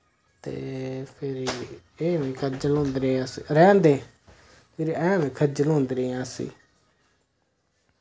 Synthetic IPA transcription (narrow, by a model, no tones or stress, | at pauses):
t̪ḛːpʰɪɾi | eːʋĩːkʰəd͡ʒəlõːnd̪ɾeːsɾɛ̃ːnd̪eː | pʰɪɾiɛ̃ːʋẽːkʰəd͡ʒəlõːnd̪ɾeːãːsḭː